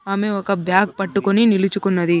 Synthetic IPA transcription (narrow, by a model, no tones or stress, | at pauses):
aːme̞ɔkɐbjaːk̚pɐʈːukoninilut͡ʃukunːɐd̪i